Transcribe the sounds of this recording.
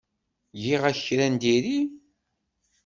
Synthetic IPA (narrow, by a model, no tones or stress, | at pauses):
jiʁæçɾænd̪iɾi